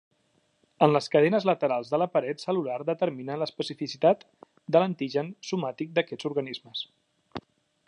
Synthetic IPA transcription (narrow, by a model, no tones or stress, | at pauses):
ənləskəðɛnəzlət̪əɾalˠzðələpəɾɛt̪səlulaɾðət̪əɾminələspəsifisit̪at̪ | d̪ələnt̪iʒənsumat̪ik̚d̪əkɛzuɾɣənizməs